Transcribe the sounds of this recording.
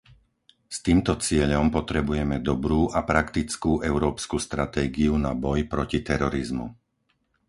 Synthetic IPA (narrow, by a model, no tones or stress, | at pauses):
st̪iːmt̪ɔt͡sɪɛʎɔmpɔt̪ɾɛbujɛmɛd̪ɔbɾuːʔapɾakt̪it͡skuːʔɛʊɾɔːpskust̪ɾat̪ɛːɡiunabɔjpɾɔcit̪ɛɾɔɾizmṵ